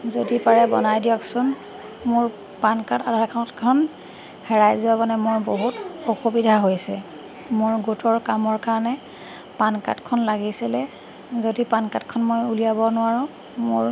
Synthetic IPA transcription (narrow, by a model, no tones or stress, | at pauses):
zodipaɹɛbɔ̰najdijɔksʊn | mʊɹ | pankatadʱaɹkʰɔtkʰɔn | hɛɹajzʊabɔnɛmʊɹboɦutɔxubidʱaɦojsɛ | mʊɹɡutɔɹkamɔɹkaɹɔnɛ | panka̰tkʰɔnlaɡisɛlɛ | zodipankatkʰɔnmojulijabɔnʊwaɹɔ̃ | mʊɹ